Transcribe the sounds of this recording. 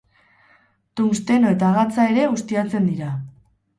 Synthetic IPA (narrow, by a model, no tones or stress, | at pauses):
t̪umst̪e̞no̞e̞t̪aːɣat͡sae̞ɾe̞ɣust̪iat͡se̞nd̪iɾa